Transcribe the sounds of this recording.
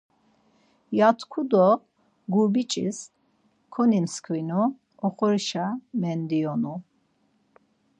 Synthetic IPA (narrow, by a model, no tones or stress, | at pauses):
jat̪ʰkʰud̪ɔ | ɡubit͡ʃʼḭs | kʰɔnimskʰwinu | ɔχɔɾiʃamɛnd̪iɔnu